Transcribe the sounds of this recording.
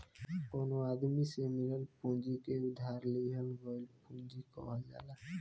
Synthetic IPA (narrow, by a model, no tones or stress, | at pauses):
konoad̪misemiɾelpũnd͡ʑikewd̪ʱaɾlejɦɔnɡɔjlpund͡ʑikɔ̰wad͡ʒa̰la